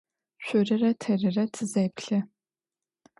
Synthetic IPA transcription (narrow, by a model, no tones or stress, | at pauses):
ɕʷʊrɨrɐtʰɐrɨrɐtʰɨzɐjpʰɬɨ